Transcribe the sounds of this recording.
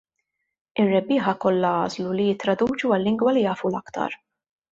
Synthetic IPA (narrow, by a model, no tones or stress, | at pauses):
ɪrːɛbːɪːħɐkɔlːɐɐ̰ːzlulijɪt̪ːɾɐd̪uːt͡ʃuɐlːɪŋɡwɐlijɐːfulɐkt̪ɐ̰ɾ